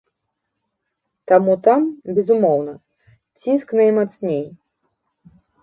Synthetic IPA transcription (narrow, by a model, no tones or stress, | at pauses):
t̪amut̪ambʲɛzumɔwnɐ | t͡sʲinsknɐjmat̪snʲej